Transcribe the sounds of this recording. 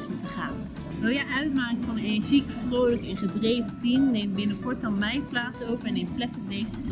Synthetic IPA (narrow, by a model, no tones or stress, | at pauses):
smutəχaːn | dojəʔœɥtmaːkəfɑnenzikfrowləkɛnχədrejvətimnejmbɪnəkɔɹtɑnmɛjplaːsowvəɹɛnemplɛkɔpdejzəst